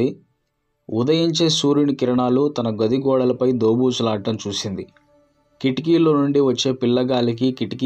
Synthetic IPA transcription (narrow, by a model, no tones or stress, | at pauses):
i | ud̪ɐjiɲt͡ʃeːsuːɾiɳkiɾɐɳaːlut̪ɐnɐɡod̪iɡɔːɽɐlɐpɐjd̪oːbuːt͡ʃulaːʈːɐmt͡ʃuːsind̪i | kiʈik̬iːloːnuɳɖiʋɐt͡ʃːe̞ːpilːɐɡaːlik̬ikiʈiki